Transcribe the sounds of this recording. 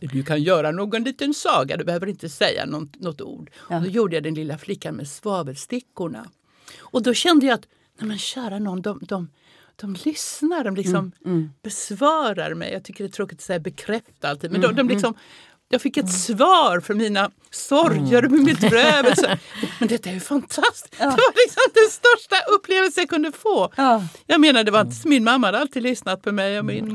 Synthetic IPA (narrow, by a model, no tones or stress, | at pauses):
d̪ɵkʰanjœːɾanoːɡɔnliːt̪ənsɑːɡa̰d̪ɛbɛhøːvəɾɪnt̪əsɛjːa̰nɔt̪nɔt̪ːṵːɖd̪ɔjuːɖəjad̪ɛnlɪlːaflɪkːanmɛ̰svɑːvəlst̪ɪkːʊɳa̰ | ɔd̪ɔɕɛnd̪əjaat̪ | nɛmɛnɕæːɾaɳɔnːd̪ɔmd̪ɔm | d̪̥ɔmlʏsnaɖɔmlɪksɔmb̥ɛsvɑːɾa̰ɾmɛ̰jɑɡt̪ʰʏkːəɖɛt̪ʰɾoːkɪt̪ɔ̥sɛjːabɛkʰɾɛft̪aalt̪iːd̪mɛnd̪ɔd̪ɔmlɪksɔm | jɑːɡfɪkːɛt̪svɑːɾfœɾmiːna | sɔɾjəɾmɛmɪt̪ɾøːvɛlsəmɛnd̪ɛt̪ːajʉfant̪ʰast̪ɪ̥d̪ɛvalɪksɔmd̪ɛnst̪œʂʈaʔɵpːleːvəlsənjakʰɵnd̪əfoːjɑɡmeːnad̪ɛvaɾɪnt̪̬ə̥sɔmːɪnmamːahad̪əalt̪iːd̪lʏsnat̪̚pʰɔmɛjɔmɪn